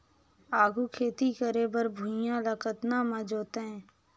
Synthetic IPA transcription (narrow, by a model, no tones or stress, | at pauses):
aːɡʱukʰeːt̪ikəɾebəɾbʱʊ̃jãləkət̪namə̃d͡ʒoːt̪eɦɛ̃ː